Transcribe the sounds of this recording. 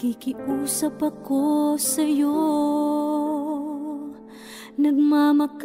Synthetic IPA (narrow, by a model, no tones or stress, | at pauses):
kikɪʔuːsɐpɐkossɐjo | nɐɡmamɐk